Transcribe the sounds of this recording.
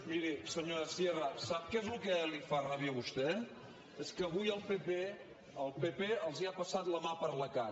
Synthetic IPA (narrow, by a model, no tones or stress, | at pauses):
miɾisəɲoɾəsierasap̚kezlukɛlifaraβjəβust̪ɛ | eskəːβujəlˠpepe | əlˠpepeəlˠziapəsat̪ləmapəɾləka